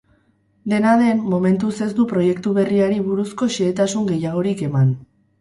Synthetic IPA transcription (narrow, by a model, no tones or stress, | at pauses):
d̪e̞naðe̞mːo̞me̞nt̪use̞zd̪upɾo̞je̞kt̪uβ̞e̞riaɾiβuɾusko̞ʃeːt̪asuŋɡe̞jaɣ̞o̞ɾike̞man